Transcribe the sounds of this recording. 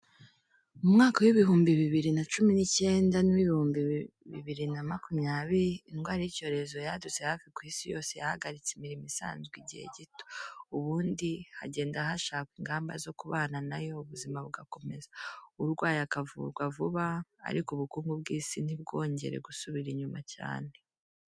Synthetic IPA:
mumŋaːkawiβihuːmbiβiβiɾinat͡ʃuminice̞ːndaniwiβihuːmbi | βḭβiɾinamakumɲaːβiɾiːnɡwaːɾijico̞ːɾe̞zo̞jadut͡sehafikwiːsijo̞ːse̞ja̰ha̰ɡaɾit͡simiɾimisa̰ːnzɡwiɟihḛɟito̥uβuːndiha̰ɟe̞ːndahaʃaːkiŋɡaːmba̰zo̞kuβaːnanajo̞uβuzimaβuɡako̞me̞zauɾɡwaːjakavṵɡwavuβa̰ːɾikuβukuːŋɡubɡiːsin̥ibɡo̞ːɲɟe̞̰ɾe̞̰ɡusuβiɾiɲumaca̰ːne̞

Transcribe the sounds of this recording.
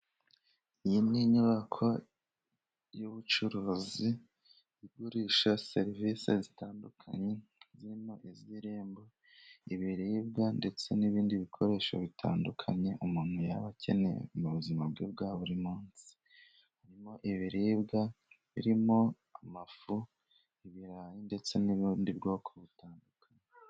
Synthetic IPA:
ijiniɲuβakʰo̞ | juβut͡ʃuɾuːzi | iɡuɾiːʃaseɾivisḛzitaːndukʰa̰ɲe̞ziɾimo̞ʔiziɾeːmbo | iβiɾiːbɡande̞t͡se̞niβiːndiβikʰo̞ɾe̞ːʃo̰βitʰa̰ːndukʰaɲe̞ʔumumweja̰βacʰe̞̰nḛmuβuzimabɡiːb̚ɡaːβuɾimuːnsi̥ | haɾimo̞ʔiβiɾiːbɡa | βḭɾimo̞ | amafu | iβiɾaːjinde̞t͡se̞niβindibɡo̞ːkʰo̞βitaːndukʰaɲe

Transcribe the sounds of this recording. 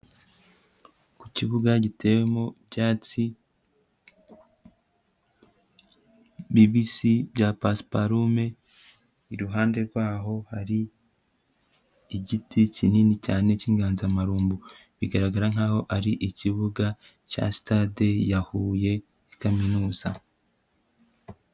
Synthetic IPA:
kuciβuɡaɟitʰe̞ːwe̞mobjaːt͡si | biβisibɟapaspaɾume̞ | iɾuɦaːnde̞ɾɡwaːɦo̞haɾi | iɟiticininicaːne̞ciːŋɡaːnzamaɾuːmbu | βiɡaɾaɡaɾaŋ̥aːho̞ʔaɾiʔiciβuɡa | ca̰si̥tade̞jahuːje̞ | kaminuːza̰

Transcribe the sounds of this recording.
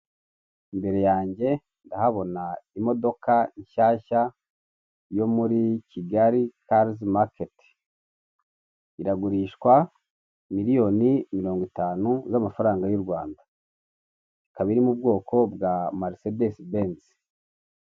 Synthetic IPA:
imbe̞ɾe̞jaːɲɟe̞ | ndahaβo̞naimo̞do̞kaiɲʃaːça | jo̞muɾiciɡaɾikaɾzmaket | iɾaɡuɾiːʃkwa | miɾijo̞nimiɾo̞ːŋɡwitaːnuzamafaɾaːŋɡajuɾɡwaːnda | ikaβiɾimub̚ɡo̞ːkʰo̞bɡamaɾsedesbeːns

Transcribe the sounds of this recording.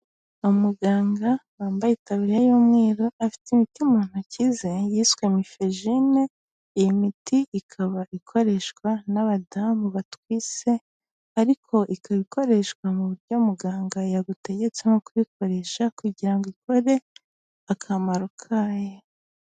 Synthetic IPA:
umuɡaːŋɡawaːmbajitaβiɾjajuːmŋeːɾo̞afi̥timitiumuːn̥acizejiswemifeʒine̞ | ijimitiʔikʰaβaʔikʰo̞ɾe̞ʃkwanaβadamuβatwiːt͡se̞ | aɾikʰoʔikʰaβiko̞ɾe̞ʃkwamuβuɾɟo̞muɡaːŋɡajaɡute̞ɟe̞t͡seno̞kuβikʰo̞ɾe̞ʃakuɟiɾaŋɡiko̞ɾe̞ | akʰamaɾukʰaːje

